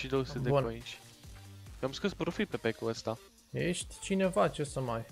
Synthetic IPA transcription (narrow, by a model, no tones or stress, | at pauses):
ʃid̪oseb̪d̪eunait͡ʃʲ | joamskɨspɾofipepekuəst̪a | jeʃt̪ʲt͡ʃine̞vat͡ʃesəmaj